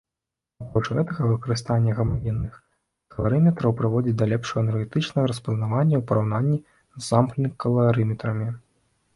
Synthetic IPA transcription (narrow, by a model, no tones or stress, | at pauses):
apɾɔt͡ʂɣɛt̪ɐɣɐvɨkɐɾɨst̪anʲːɐɣɐmavʲinːɨx | kɐlˠaɾɨmʲɛt̪ɾɐwpɾɨvɔd͡zʲit͡sʲd̪ɐlʲɛpʂɐɣɐnɛɾɣɛt̪ɨt͡ʂnɐɣɐɾɐspɐznavanʲːɐwpɐɾawnanʲːi | zːamplʲnikɐlˠaɾɨmʲɛt̪ɾɐmʲi